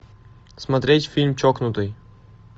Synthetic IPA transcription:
smɐt̪ɾʲetʲfʲilʲmt͡ɕɔknʊt̪ɨj

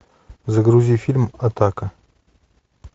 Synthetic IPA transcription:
zaɡɾuzʲifʲilʲmɐt̪akə

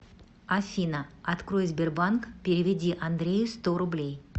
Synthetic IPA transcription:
afʲinəɐt̪kɾo̞jzʲbʲerbankpʲeɾʲɪvʲɪdʲiʔand̪ɾʲejɪst̪o̞ɾʊblʲej

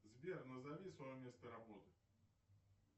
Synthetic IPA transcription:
zʲbʲɛrnɐzavʲisvajɔmʲɛst̪ɐɾabɔt̪ɨ̥

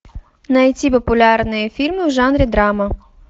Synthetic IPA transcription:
nɐjɔt͡sʲipɔpʊlʲɑrnɔjifʲirmɪwʒɑnɾʲid̪ɾɑmɐ

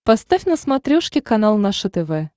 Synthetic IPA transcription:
past̪afʲnəsmat̪ɾʲoʂkʲɪkanalˠnaʂət̪ɛvɛ

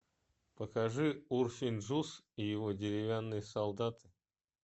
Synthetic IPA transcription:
pəkaʐɨursʲɪnʲʐus | ijɪvodʲɪɾʲɪvʲanːɨjəsɐlˠd̪at̪ɨ̥

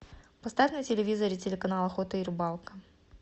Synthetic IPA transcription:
pɐst̪avʲnɨjtʲɪlʲɪvʲizəɾʲɪtʲɪlʲɪkɐnalˠɐxot̪əirbalˠkə

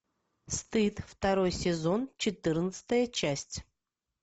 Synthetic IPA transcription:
st̪ɨt̪ft̪ɐɾojsʲɪzo̞nt͡ɕɪt̪ɨrnət̪sə̥t̪əjət͡ɕæsʲtʲ

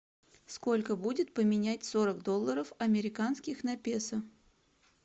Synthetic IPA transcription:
sko̞lʲkəbudʲɪt̪pəmʲɪnʲætʲso̞ɾəɡd̪o̞lˠːəɾəfɐmʲɪɾʲɪkanskʲɪxnɐpʲesə

